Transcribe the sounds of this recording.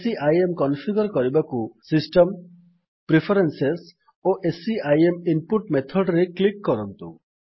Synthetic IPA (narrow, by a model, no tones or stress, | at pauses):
siajemkɔnpʰiɡɔɾkɔɾibakusisʈɔm | pɾipʰɔɾenses | oʔesiajemimpuʈmet̪ʰɔɖɾeklikːɔɾɔnt̪ṵ